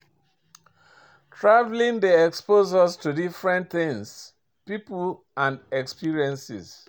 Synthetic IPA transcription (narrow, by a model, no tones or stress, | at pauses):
tʰɹavlĩŋdiɛkspozastudifɹɛ̃ntθɪ̃ŋs | pipl | ãndɛkspiɹiɛ̃nsḭz